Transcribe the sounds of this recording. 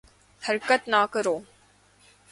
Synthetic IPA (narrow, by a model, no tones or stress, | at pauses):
hɐɾkət̪nakəɾoː